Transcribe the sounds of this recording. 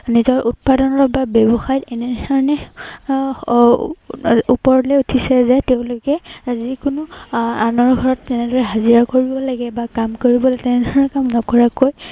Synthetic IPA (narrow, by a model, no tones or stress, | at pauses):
nizɔɹʔut̚padɔnɔɹɔbabɛbɔxajtɛnɛdʱɔɹɔnɛ | upɔɹlɛutʰisɛzɛteʊ̃lʊkɛzikʊnʊanɔɹɡʱɔɹɔtːɛnɛdɔɹɛɦaziɹakoɹibɔlaɡɛbakamkoɹibɔlaɡɛtɛnɛdʱɔɔɹɛkamnɔkɔɹakoj